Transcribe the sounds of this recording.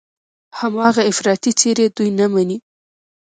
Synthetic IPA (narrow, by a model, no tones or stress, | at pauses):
hamɑɣaɪfɾɑt̪it͡seɾed̪ujnamani